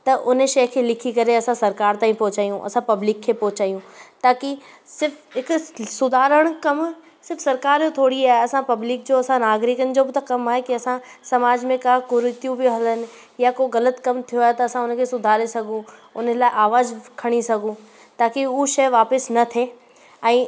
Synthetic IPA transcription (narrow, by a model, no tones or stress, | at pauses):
t̪ɐʔʊn̤ʃɐːkʰelɪkʰikɐɾeɐsãsɐɾkaːɾt̪ãːɦĩpɔ̃ːt͡ɕaːjũʔɐ̰sãpɐblɪkʰːepɔːt͡ɕaːjũt̪aːki | sɪɾfʰɦɪksʊd̪ʱaːɾəɽ̃kɐm | sɪɾfʰsɐɾkaːɾjot̪ʰoːɽiaːɦeɐsãpɐblɪk̚d͡ʑoɐsãnaːɡɾɪkən̆d͡ʑoːbɪt̪ɐkɐmaːɦekiɐsã | sɐmaːd͡ʑmẽkaːkʊɾʊt̪jũbʱiɦɐlənɪ̆ | jakoɣɐlət̪kɐmt̪ʰijoaːɦet̪ɐɐsãʊnkʰesʊd̪ʱaːɾesɐɡʱũʊnlaːeʔaːʋaːzkʰɐɽ̃isɐɡʱũ | t̪aːkiuːʃɐʋaːpɪsnɐt̪ʰeː | ɛ̃ː